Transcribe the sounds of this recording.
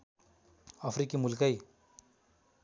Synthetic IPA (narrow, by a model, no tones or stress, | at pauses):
apʰɾikimulkəj